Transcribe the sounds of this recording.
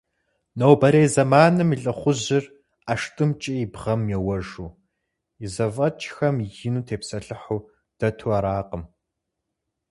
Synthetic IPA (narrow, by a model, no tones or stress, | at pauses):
nowbɐɾeːzɐmaːnɨmiɬʼɐχʷʊʑɪr | aʂtʼɨmt͡ʃʼiibʁɐmjɛwɐʒuː | izɐvɐt͡ʃʼxɐmjɪnuːtʰeːpsɐɬɨħuː | d̥ɐtʰuːaɾaːqəm